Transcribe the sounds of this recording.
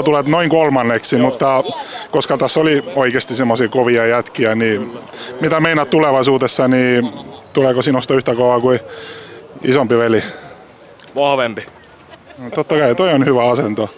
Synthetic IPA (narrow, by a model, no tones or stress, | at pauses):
t̪ulet̪noiŋkolmɑnːeksimut̪ːɑkoskɑt̪æsːolioikest̪isemːosikoʋiɑjæt̪kiænimit̪æmeinɑt̪t̪uleʋɑisuːt̪esːɑnit̪uleˑkosiːnost̪ɑyht̪ækɑɑkui | isombiʋeli | ʋɑhʋemb̥i | t̪ot̪ːɑkɑjɑt̪oionhyʋæɑsend̪o